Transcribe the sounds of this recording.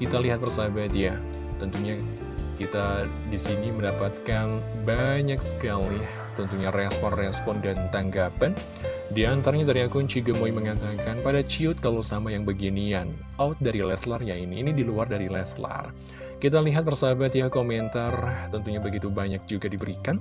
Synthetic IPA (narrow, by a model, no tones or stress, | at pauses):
kit̪aliɦat̪̚bərsabat̪ja | t̪ənt̪uɲa | kit̪a | disiniməndapat̪̚kanbaɲaksə̥kali | t̪ənt̪uɲarɛspɔnrɛspɔndant̪aŋɡapan | diant̪aɾaɲadaɾiakʊɲt͡ʃiɡəmoiməŋat̪akanpadat͡ʃiʊt̪̚kalowsamajaŋbəɡinian | awt̪̚daɾilɛslarjainiːnidiluardaɾilɛsla̰r | kit̪aliɦat̪̚bərsabat̪jakomɛnt̪art̪ənt̪uɲabəɡit̪ubaɲak̚d͡ʒuɡadibəɾikan